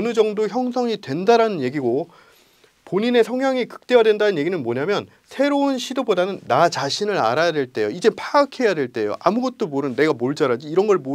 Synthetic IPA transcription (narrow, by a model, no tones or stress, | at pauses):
nɯd͡ʑʌŋdoçjʌŋsʰʌŋidwe̞ndaɾanɯnje̞ɡiɡo | poɲine̞sʰʌŋɦjaŋikɯ̥k̚t͈e̞wadwe̞ndanɯnje̞ɡinɯnmoɲamjʌn | sʰe̞ɾounɕʰidobodanɯnːat͡ɕaɕʰinɯɾa̰ɾajade̞ɭt͈e̞joid͡ʑe̞pʰaːkʰe̞jadwe̞ɭt͈e̞jo̰ʔamuɡʌt̚t͈omoɾɯnːe̞ɡamoɭd͡ʑaɾad͡ʑiːɾʌnɡʌɭmo